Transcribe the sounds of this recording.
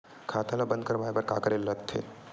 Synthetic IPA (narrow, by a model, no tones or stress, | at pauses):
kʰaːt̪alabə̃nd̪̚kəɾʋaːjbəɾkaːkəɾelːəkt̪ʰḛ